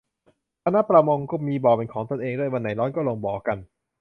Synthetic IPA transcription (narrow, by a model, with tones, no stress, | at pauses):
k̪ʰa˧na˦˥pɾa˧mo˧ŋku˥˩miː˧bɔː˨˩pe˧nkʰɔː˩˦ŋt̪o˧˨nʔeː˧ŋdu˥˩əjwa˧nːa˩˦jlɔː˦˥˩nkɔː˥˩loː˧ŋbɔː˨˩ka˧n